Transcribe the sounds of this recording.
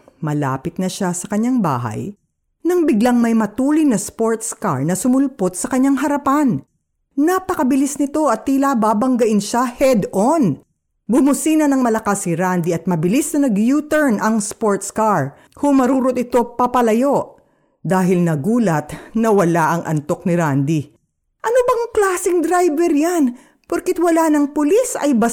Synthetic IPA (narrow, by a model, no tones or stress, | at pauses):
mɐla̰ːpɪt̪̚nɐʃasɐkɐɲːaŋba̰ːɦɐ̰j | nɐŋbɪɡlaŋmɐjmɐt̪uːlɪjnɐspoɹt̪ska̰ɹnɐsʊmʊlpot̪̚sɐkɐɲːaŋɦɐɾɐpan | napɐkɐbɪlɪsnɪt̪o̞ʔɐt̪ːilabaːbɐŋɡɐʔɪnʃahɛd̪on | bʊmʊsiːnɐnɐŋmɐlɐkasːɪɾand̪iɐt̪̚mɐbɪlisnɐnɐɡjuːt̪ɛɹnʔɐŋspoɹt̪skaɹ | hʊmɐɾuːɾot̪̚ɪt̪o̞pɐpɐlɐjo̞ʔ | d̪aːɦɪlnɐɡuːlɐt̪nɐwɐlaʔɐŋʔɐ̰nt̪o̞k̚nɪɾand̪i | ʔɐnobɐŋklaːsɪŋd̪ɾajbɛɾjan | pʊɾkɪt̪wɐlanɐŋpʊlisɐ̰jbɐ